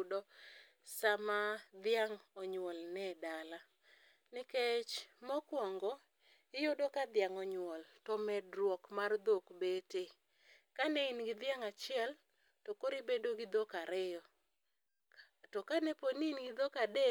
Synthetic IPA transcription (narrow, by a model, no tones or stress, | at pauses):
dɔ | samad̪ɪjaŋɔɲwɔlnɛdala | nɪket͡ʃmɔkwɔŋɡɔ | ɪjodɔkad̪ɪjaŋɔɲwɔltɔmɛdɾwɔkmard̪okbete | kanɛinɡɪd̪ɪaŋat͡ʃɪɛl | tokoɾibedoɡɪd̪ɔkaɾɪjɔ | tɔkanɛponinɡɪd̪ɔkade